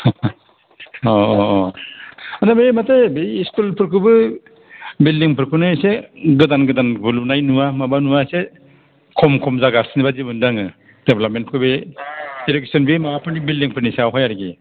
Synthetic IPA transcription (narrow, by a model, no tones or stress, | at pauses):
ɔ | andabematajbeːskulpʰɯɾkʰɯbɯ | bildiŋpʰɯɾkʰɯnajseɡɯdanɡɯdanbɯlunajnuwamabanuwase | kʰɔmkʰɔmzaɡaɾsinibazibɯndaŋɯ | d̥eplap̚mentpʰkʰɯbediɾek̚sɔnbemaapʰɯɾnibildiŋpʰɯɾniseawɦajaɾiɡi